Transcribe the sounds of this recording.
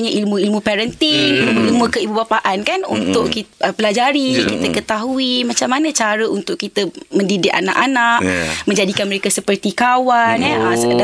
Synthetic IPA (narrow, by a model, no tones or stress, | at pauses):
ɲãʔilmũilmũpɛɾənt̪inilmuilmũkəibubapaʔankanunt̪ʊʔkiəpəlad͡ʒaɾikit̪əkət̪aɦuimat͡ʃamanə̃t͡ʃaɾəunt̪ʊʔkit̪əmə̃ndidɪka̰na̰ʔanaʔmə̃ɲd͡ʒadikanməɾekasəpərt̪ikawanɛəsəkəda